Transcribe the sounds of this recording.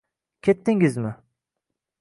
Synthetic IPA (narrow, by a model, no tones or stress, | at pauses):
kʲʰet̪ːɪŋɪzmɪ